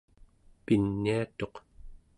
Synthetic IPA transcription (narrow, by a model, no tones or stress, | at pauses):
pinːiat̪o̞q